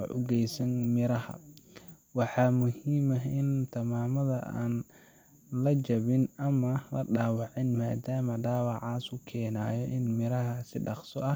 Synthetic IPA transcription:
ʔʊ̰ɡɛjsɐnmɪɾɐhɐ̰ | wɑħɑːmʊhiːmɐɪnt̪ʰɐmaːmɐðɐʔa̰ːn | lɐd͡ʒɐβɪnɐmɐlɐɖaːwɑʕɪnmaːd̪aːmɐɖaːwɑʕɑːsʊkʰɛːnaːjɔʔɪnmɪɾɐɦɐsɪɖɑqsɔ̰ʔɐ

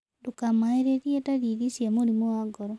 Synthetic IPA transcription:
dukamaeɾeɾijetaɾiɾisjamoɾimoaɡɔɾɔ

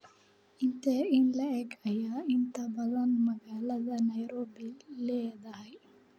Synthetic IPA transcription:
int̪einlɛɛɡɐjaint̪ɐbɐlɐnmɐɡaːlɐd̪ɐnɐjɾoːbiled̪aɦ

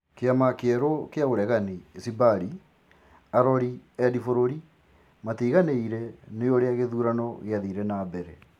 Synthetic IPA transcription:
keamakeɛɾokeaoɾɛɣanisibaɾi | aɾɔɾiɛdifoɾoɾi | matiːɣaneiɾɛneoɾeaɣeðuːɾanɔɣeaðiɾɛnaːbɛɾɛ

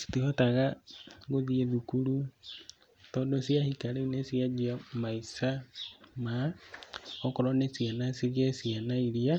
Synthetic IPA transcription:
si̥tihotaɣaɣoðieðukulu | todosiahikalenesiad͡ʒiamaisama | okoɾonesianasiɾiasianaiɾia

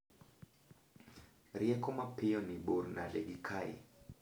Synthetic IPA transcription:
ɾiɛkɔmapiɔniɓuɾnalɛ̰ɡikʰaḭ

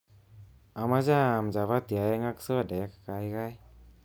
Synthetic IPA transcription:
amazaːmzaβat̪ijajaŋaksɯadajakḁkajɡaj

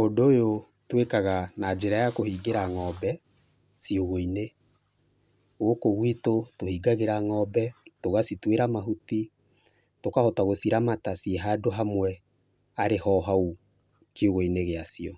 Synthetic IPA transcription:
ondːjo | twekaɣanad͡ʒeɾajakohiːɡeɾaŋɔːbɛ | sioɣoine | oɣokoɣwitotohiːɡaɣeɾaŋɔbɛtoɣasitweɾamaɦuti | tokahɔtaɣosiɾamatasieɦadoɦamwɛ | aɾehɔɦau | kioɣoineɣeasiɔ

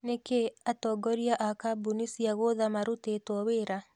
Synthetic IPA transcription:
nekeatɔɡɔɾiaʔakabunisiaɣoðamaɾotetwɔweɾa

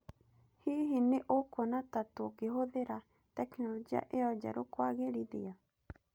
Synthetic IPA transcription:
hiɦineʔokonatatookeɦoðeɾa | tɛknɔloɡia̰ʔeɔd͡ʒa̰ɾokwaɣeɾiðḭa

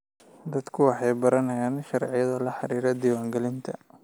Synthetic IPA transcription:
d̪ɐd̪kʰʊwɑħɑjbɐɾɐnɐjaːnʃɑrʕɪjɐðɐlɐħɑɾiːɾɐd̪iːwaːŋɡɛlɪnt̪ʰɐ

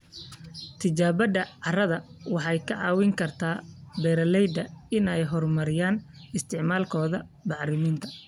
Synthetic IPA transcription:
t̪ʰɪt͡ʃaːβɐd̪ɐʕɑrɐðɐwɑħɑjkʰɐʕɑ̰ːwɪŋkʰɐrt̪ʰaːbɛːɾɐlɛjd̪ɐɪnɛjɦɔrmɐɾɪjaːnɪst̪ʰɪʕmaːlkʰɔːðɐbɑħrɪmiːnt̪ʰɐ̥

